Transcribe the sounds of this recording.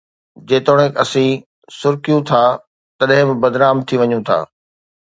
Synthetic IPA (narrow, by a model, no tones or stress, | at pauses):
d͡ʑeːt̪oːɽ̃ɪkɐsĩ | sʊɾkijũt̪ʰaː | t̪ɐɗ̃ɦɪ̃mɪ̃bɐd̪ɾaːmt̪ʰiʋɐɲũt̪ʰa̰ː